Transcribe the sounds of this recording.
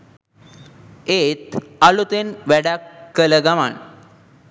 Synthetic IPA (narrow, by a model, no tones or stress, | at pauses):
et̪alut̪enʋɛɽakːələɡama̰ɳ